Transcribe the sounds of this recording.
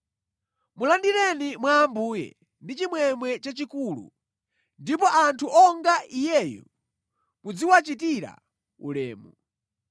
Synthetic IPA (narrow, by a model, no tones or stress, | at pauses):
mulandiɾɛnimwaːmbuːjɛ̰ | ndit͡ʃimwɛmwɛt͡ʃat͡ʃikulṵ | ndip̬ɔʔantʰuʔɔŋɡaʔijɛjɔ̰ | mud͡ziwat͡ʃitiɾa̰ | ṵlɛ̰ːmu